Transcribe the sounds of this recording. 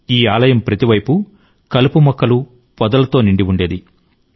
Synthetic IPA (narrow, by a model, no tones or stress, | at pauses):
iːaːlɐjɐmpɾɐt̪iʋɐjpu | kɐlupumɔkːɐlu | pɔd̪ɐlɐt̪o̞ːniɳɖiuɳɖe̞ːd̪i